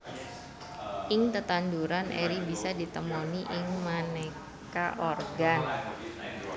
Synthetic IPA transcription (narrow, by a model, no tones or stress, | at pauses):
ʔɪŋt̪ət̪anduɾanʔḛɾibisadit̪əmoniʔɪŋmane | kaʔorɡan